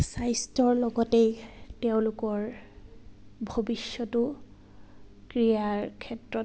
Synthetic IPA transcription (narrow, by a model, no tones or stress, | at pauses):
sajstɔɹlɔɡɔtejteʊ̃lʊkɔɹ | bʱobisːɔtʊ | kɹijaɹkʰɛtɹɔ